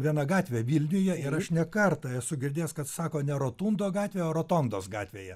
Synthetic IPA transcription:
ʋʲiɛnɐɡɑːt̪ʲʋʲeːʋʲiːlʲnʲʊjɛɪɾɐʃnʲɛkɐrt̪ɐɛsʊɡʲɪrʲd̪ʲeːskɐt̪sɑːkoːnʲɛɾoːt̪uːnd̪oːɡɑːt̪ʲʋʲeːoːɾoːt̪oːnd̪oːsɡɑːt̪ʲʋʲḛːjɛ

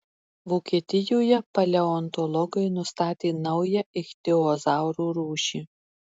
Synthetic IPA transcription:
ʋoːkʲiɛt̪ʲɪjoːjɛpɐlʲɛɔnt̪ɔlˠɔɡɐɪnʊst̪ɑːt̪ʲeːnɐʊjɛɪxʲt̪ʲɪɔzɑˑʊɾuːɾuːʃʲiː

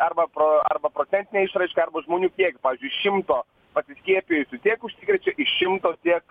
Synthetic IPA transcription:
ɐɾbɐpɾoɐ̰ɾbɐpɾoːt̪ʲɛnʲt̪ʲɪnʲɛɪʃɾɐɪʃkɐɐɾbɐʒmoːnʲuːkʲiɛkpɑːʋʲiːzʲd͡ʒʊɪʃʲɪmt̪oː | pɐsʲɪsʲkʲiɛpʲɪjʊsʲʊt̪ʲiɛkʊʃʲsʲɪkɾʲɛt͡ʃʲɛʔɪʃʲɪmt̪oːt̪ʲiɛk

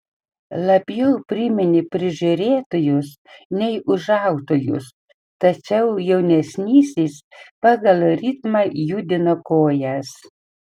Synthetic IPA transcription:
lˠɐbʲjɛʊpʲɾʲɪmʲɪnʲɪpʲɾʲɪʒʲʊɾʲeːt̪oːjʊs | nʲɛɪʔʊʒɑˑʊt̪oːjʊ̰s | t̪ɐt͡ʃʲɛʊjɛʊnʲɛsʲnʲiːsʲiːspɑːɡɐlˠɾʲɪt̪mɑjuːd̪ʲɪnoːkoːjɛs

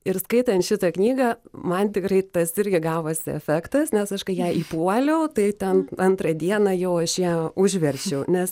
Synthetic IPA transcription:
ɪɾskɐɪt̪ɐnt̪ʃʲɪt̪ɐknʲiːɡɐmɐnt̪ʲɪkɾɐɪt̪ɐsɪɾʲɡʲɪɡɑːʋoːsʲɪɛ̰fʲækt̪ɐsnʲɛsɐʃkɐɪjɛɪʔiːpuɔlʲɛʊt̪ɐɪt̪ʲɛnɐnt̪rɐd̪ʲiɛnɐjɛʊɐʃjiʊʒʲʋʲɛɾʲt͡ʃʲɛʊnʲɛs

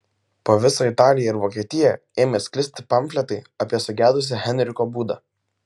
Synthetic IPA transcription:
poːʋʲɪsoːɪt̪ɑːlʲɪjɛɪɾʋoːkʲiɛt̪ʲɪjɛ | eːmʲeːsʲkʲlʲɪsʲt̪ʲɪ̥pɐmʲfʲlʲɛt̪ɐɪɐpʲiɛsʊɡʲæːd̪ʊs̬ʲɛhʲɛnʲɾʲɪkoːbuːd̪ɑ̰ː

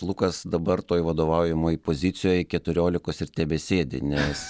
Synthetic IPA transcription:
lˠʊkɐsd̪ɐbɐrt̪oːjʋɐd̪oːʋɐʊjɪmoːjipoːzʲɪt̪sʲɪjoːjkʲɛt̪ʊɾʲoːlʲɪkoːsɪrt̪ʲɛbʲɛːsʲeːd̪ʲɪ̰nʲɛs

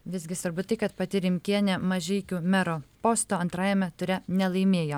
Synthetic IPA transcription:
ʋʲɪzʲɡʲɪsʋɐɾbʊt̪ɐɪkɐt̪pɐt̪ʲɪɾʲɪmʲkʲiɛnʲɛmɐʒʲɛɪkʲuːmʲɛɾoːpoːst̪oːɐnt̪ɾɑːjɛmʲɛt̪ʊɾʲɛnʲɛlˠɐɪmʲeːjoː

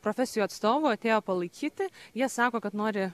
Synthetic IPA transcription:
pɾoːfʲɛsʲɪjuːɐt̪st̪oːʋʊːɐt̪ʲeːjoːpɐlˠɐɪkʲiːt̪ʲɪjiɛsɑːkoːkɐt̪noːɾʲɪ

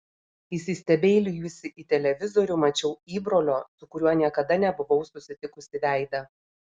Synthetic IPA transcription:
ɪsʲɪsʲt̪ʲɛbʲeːlʲɪjuːsʲɪʔit̪ʲɛlʲɛʋʲɪzoːɾʲʊmɐt͡ʃʲɛʊiːbɾoːlʲoːsʊkʊɾʲuɔnʲiɛkɐd̪ɐnʲɛbʊʋɒʊsʊsʲɪt̪ʲɪkʊsʲɪʋʲæˑɪd̪ɐ

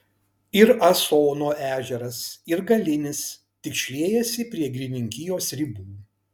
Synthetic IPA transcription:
ɪɾɐsoːnoːʔæːʒʲɛɾɐsɪɾɡɐlʲɪnʲɪs | t̪ʲɪkʃʲlʲeːjɛsʲɪpʲɾʲiɛɡɾʲɪnʲɪŋʲkʲɪjoːsɾʲɪbuː

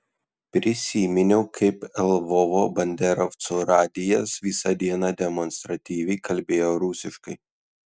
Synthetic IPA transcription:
pʲɾʲɪsʲiːmʲɪnʲɛʊkʰɐɪpɛlˠʋɔʋoːbɐnʲd̪ʲɛɾɔft̪soɾɑːd̪ʲɪjɛsʋʲiːsɑd̪ʲiɛnɑd̪ʲɛmɔnst̪ɾɐt̪ʲiːʋʲɛɪkɐlʲbʲeːjoːɾʊsʲɪʃkɐɪ

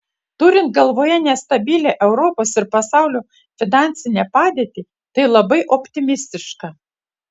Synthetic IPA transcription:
t̪ʊɾʲɪnt̪ɡɐlˠʋoːjɛnʲɛst̪ɐbʲilʲeːʔɛʊɾɔpoːsɪɾpɐsɑˑʊlʲuː | fʲɪnɑnʲsʲɪnʲɛpɑːd̪ʲeːt̪ʲiː | t̪ɐɪlˠɐbɐɪʔɔpʲt̪ʲɪmʲɪsʲt̪ʲɪʃkɑː

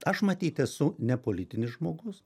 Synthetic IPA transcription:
ɐʃmɐt̪ʲiːt̪ʲɛsʊnʲɛpoːlʲɪt̪ʲɪnʲɪsʒmoːɡʊs

